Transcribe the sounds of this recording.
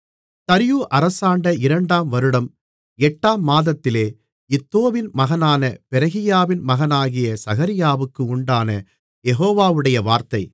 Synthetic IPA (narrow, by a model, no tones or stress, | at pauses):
t̪ɐɾɪjuːʔɐɾɐsaːɳɖɐɪɾɐɳɖaːmʋɐɾɯɽɐm | ɛʈːaːmːaːðɐt̪ːɪleː | ɪt̪ːoːʋɪnmɐɣɐnaːnɐpɛɾɐɣɪjaːʋɪnmɐɣɐnaːɣɪjɐsɐɣɐɾɪjaːʋɯkːɯʊɳɖaːnɐ | jɛɣoːʋaːʋɯɽɐjɐʋaːɾt̪ɐɪ